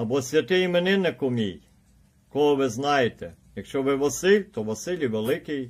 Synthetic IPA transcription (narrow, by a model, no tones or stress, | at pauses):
ɐbɔsʲʋʲɐt̪ɪjimenɪnɛkɔmʲij | kɔɦɔʋɪznɑjet̪ɛjɐkʃt͡ʃɔʋɪʋɔsɪlʲt̪ɔʋɔsɪlʲiʋelˠɪkɪj